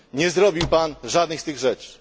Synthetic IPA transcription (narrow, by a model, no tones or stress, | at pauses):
ɲɛzɾɔbʲiwpanʐad̪nɘxst̪ɘɣʐɛt͡ʂ